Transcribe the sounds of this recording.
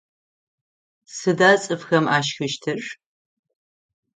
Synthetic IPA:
sɨdaːt͡sʼɨfxɐmaːʃxɨʃtʰɨr

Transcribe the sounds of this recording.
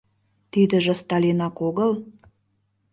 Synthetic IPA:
t̪id̪ə̆ʒĕst̪ɑlʲinɑkoɣə̆l

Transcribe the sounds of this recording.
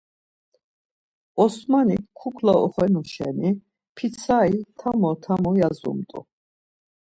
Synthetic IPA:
ɔsmanikʰukʰlɔɔ̰χɛnuʃɛ̰ni | pʰisʰait̪ʰamɔt̪ʰamɔjazṵmt̪ʼṵ

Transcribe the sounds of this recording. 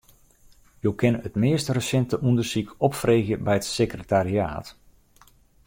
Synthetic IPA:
jowkɪnətmɪːstrəsɛntəʔundərsikɔpfreːɣjəbɛjətsekrətaɾia̰ːt

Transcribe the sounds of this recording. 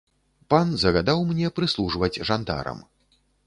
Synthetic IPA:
panzɐɣad̪awmnʲɛpɾɨslˠuʐvɐd͡zʲʐand̪a̰ɾɐ̰m

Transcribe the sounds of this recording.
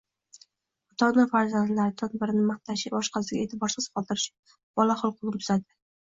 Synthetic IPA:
ʊt̪ʰɒnɪfaɾzand̪laɾɪt̪ʰɒnbɪɾɪnɪmaχt̪ʰaʃɪbɒʃqʰɑsɪɡʲaet̪ʰɪbɒɾsɪz̥qʰɒlˠd̪ɪɾɪʃɪ̥ | b̥ɒlaχʊlˠqʰʊlˠɨmt̪ʰʊzad̪ɪ

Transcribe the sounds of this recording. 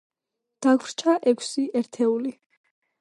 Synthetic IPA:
d̪̥akʰvɾt͡ʃʰaʔɛkʰsiʔɛɾt̪ʰɛuli

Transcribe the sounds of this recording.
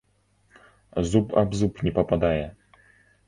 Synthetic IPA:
zupʰa̰bzupnʲɛpɔpad̪ajɛ

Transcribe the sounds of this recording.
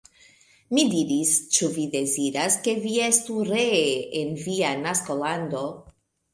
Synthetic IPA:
mid̪iɾist͡ʃuvid̪e̞ziɾaske̞vie̞stuɾeeenvianaskoland̪o̞

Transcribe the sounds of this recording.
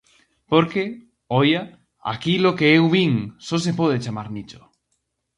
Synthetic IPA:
poɾke | oja | a̰kilokeewβiŋsos̬epoð̞et͡ʃamaɾnit͡ʃo̥

